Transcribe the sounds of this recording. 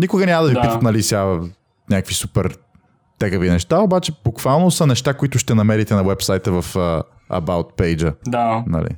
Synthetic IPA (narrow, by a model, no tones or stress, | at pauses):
nʲikʊɡənʲaməd̪ɐvipiət̪nɐlisʲa | nʲakvisupɛɾ | t̪ɛɡəvinɛʃt̪aobat͡ʃɛbukvalˠnosɐnɛʃt̪akʊit̪ʊʃt̪ɛnɐmɛɾit̪ɛnɐwɛpsajt̪əvɐfə | ɐ̰baʊt̪̚pɛjd͡ʒəd̪anɐ̰lḭ